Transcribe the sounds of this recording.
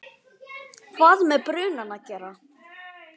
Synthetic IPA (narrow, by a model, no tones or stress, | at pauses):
kʰvaːðmɛpɾʏːnanacɛɾa